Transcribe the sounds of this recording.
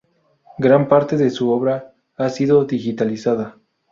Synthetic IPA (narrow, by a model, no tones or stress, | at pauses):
ɡɾampaɾt̪e̞ðesuoβɾa | asiðo̞ðixit̪alisaða